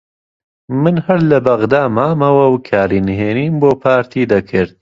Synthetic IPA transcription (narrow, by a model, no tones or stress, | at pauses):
mɨnhɐɾlɐbɐɣd̪aːmaːmɐwɐwkʰaːɾiːnɨɦeːniːmboːpʰaːɾt̪ʰiːd̪ɐkʰɨɾd̪̚